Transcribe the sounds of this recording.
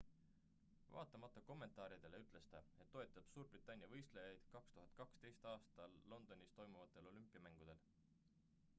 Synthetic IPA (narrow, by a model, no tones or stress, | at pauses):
vɑ̰ːt̪ːˑɑmɑt̪ːˑɑko̞mːe̞nt̪ˑɑːɾid̪̥e̞leyt̪ˑle̞st̪ɑe̞t̪ːo̞e̞t̪ːˑɑb̥suːɾb̥rit̪ːˑɑnʲjɑvɤjst̪lejɑjd̪̥kɑkst̪uɦɑd̪̥̚kɑkst̪e̞jst̪ɑːst̪ɑlːo̞nd̪̥o̞nʲist̪o̞jmuvɑt̪ːˑe̞lo̞lympːˑiɑmæŋɡ̥ud̪̥e̞l